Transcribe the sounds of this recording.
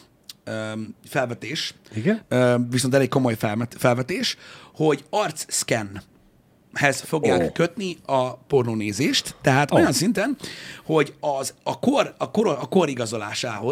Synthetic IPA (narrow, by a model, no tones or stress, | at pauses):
øfɛlvɛt̪eːʃiɡøvis̬ont̪̬ɛleko̞mo̞jfɛmɛt̪fɛlvɛt̪eːʃho̞ɟɒrt̪sːkɛn | hɛzfo̞ɡjaːkːøt̪niɒpo̞rnoːneːzeːʃt̪ːɛɦaːt̪o̞jɒnsint̪ɛnho̞ɟɒzɒkorɒkoɾoɒko̞ɾiɡɒzo̞la̰ːʃaːho̞